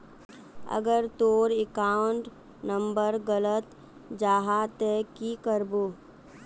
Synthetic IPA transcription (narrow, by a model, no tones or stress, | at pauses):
ə̰ɡəɾt̪oːɾɪkaːʊɳʈ | nə̃mbəɾɡələt̪ | d͡ʒaːɦat̪ɛkikəɾboː